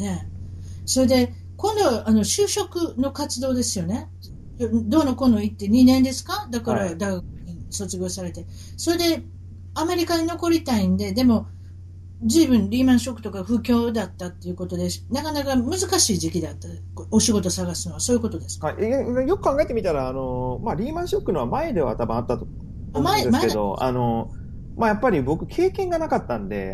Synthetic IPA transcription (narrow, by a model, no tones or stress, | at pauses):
ne̞ | so̞ɾe̞d̪e̞ | kõ̞nd̪o̞βaʔano̞ɕɨːɕo̞kɯ̟no̞kat͡sɨd̪o̞ːd̪e̞sɨjo̞ne̞ | jod̪o̞ːnːoko̞no̞it̪ːe̞ɲ̟inẽ̞nd̪e̞sɨ̥kad̪akaɾad̪aiɡak̚ɯɲ̟iso̞t͡sɨɡʲo̞ːsaɾe̞t̪e̞ | so̞ɾe̞d̪e̞ | ame̞ɾʲikaɲino̞ko̞ɾʲit̪aĩnd̪e̞d̪e̞mo̞ | d͡ʑiːbɯ̟̃nɾʲiːmãɰ̃ɕo̞kːɯ̟t̪o̞kaɸɯ̟kʲo̞ːd̪at̪ːat̪ːe̞iɯ̟ko̞t̪o̞d̪e̞nakanakamɯ̟zɨkaɕiːʑikʲid̪at̪ːa | oɕiɡo̞t̪o̞saɡasɨno̞βasoːjɯ̟ko̞t̪o̞d̪e̞sɨ̥ajo̞kɯ̟kãŋɡaet̪e̞mʲit̪aɾaːno̞maɾʲiːmãɰ̃ɕokːɯ̟noβamae̞d̪e̞βa̰t̪abɯ̟̃at̪ːat̪o | maemaesked̪o̞̰a̰no̞ | majapːaɾʲibo̞kɯ̟kʰe̞ːkẽ̞ŋɡanakat̪ːãnd̪e̞̰